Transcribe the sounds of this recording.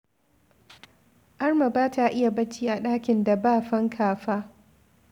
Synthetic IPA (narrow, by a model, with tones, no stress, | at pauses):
ʔɐ˦rma˨baː˦tʰa˨ʔɪ˦ja˨bɐ˦t͡ʃiː˦ʔa˨ɗaː˦kʲɪ˨nda˨baː˦˨ɸɐ˦ŋkʰaː˨ɸaː˦